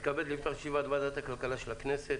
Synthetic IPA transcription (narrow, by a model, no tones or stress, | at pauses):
kabed̪lift̪aʁʃivad̪bad̪at̪akalkalaʃelakneset̪